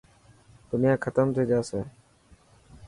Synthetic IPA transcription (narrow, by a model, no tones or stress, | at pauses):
d̪̥ʊnɪjãːkʰət̪əmt̪ʰeːd͡ʒaːseː